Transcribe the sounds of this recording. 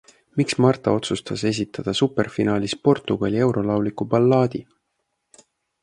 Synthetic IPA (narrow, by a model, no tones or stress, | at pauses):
miksmɑrt̪ˑɑo̞t̪sust̪ɑse̞s̬ʲit̪ːˑɑd̪̥ɑsupːe̞rfinɑːlispo̞rt̪ˑːuɡ̥ɑ̰lʲie̞wɾo̞lɑwlikupɑlːɑːd̪̥i